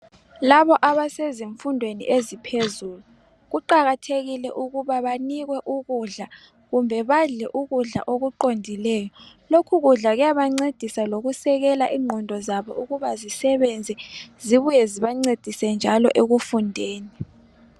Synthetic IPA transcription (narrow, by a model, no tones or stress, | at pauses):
laβɔʔaβaseziɱfundʱwenḭʔezipʰezuːlu | ɣuǃaɣatʰeɣilɛʔuɣuβaβaniɣwɛʔuɣuɮa | ɣumbʱɛβaɮɛʔuɣuɮa̰ʔoɣuǃondʱilɛːjɔ | lokʰuɣuɮaɣɛjaβaŋ͡ǀed̥ʱisaloɣusɛɣɛlaʔiːŋ͡ǃʱɔndʱɔzaβɔ̰uɣuβazisɛβɛnd͡zʱɛziβujɛziβaŋ͡ǀed̥ʱisɛnd͡ʒʱalɔʔeɣufundʱeːni